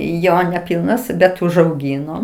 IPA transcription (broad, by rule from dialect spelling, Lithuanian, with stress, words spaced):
ˈjoː nʲɛˈpʲɪlˠnɐs bʲɛt ʊʒɐʊˈɡʲiːnoː